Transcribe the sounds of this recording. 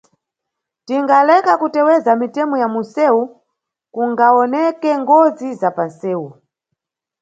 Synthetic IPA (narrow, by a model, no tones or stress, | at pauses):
tiŋɡalɛkakutɛwɛzamitɛmɔjamusɛu | kuŋɡaɔnɛkɛŋɡɔd͡zizapansɛːu